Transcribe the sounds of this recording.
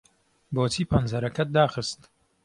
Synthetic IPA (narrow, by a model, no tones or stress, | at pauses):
boːt͡siːpʰɐnzɐɾɐkɐt̪̚d̪aːxɨst̪